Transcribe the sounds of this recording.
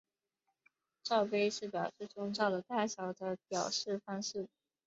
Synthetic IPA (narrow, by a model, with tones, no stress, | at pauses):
ʈ͡ʂɑ˥˧ʊpe˥ɪʂɻ̩˥˩pjɑ˨˩ʊʂɻ̩˥˩ʈ͡ʂʊ˥ŋt͡ɕɑ˥˩ʊd̪ə˩t̪a˥˩ɕjɑ˨˩ʊd̪ə˧˥pjɑ˨˩ʊʂɻ̩˥˩fa˥ŋʂ̩˥˩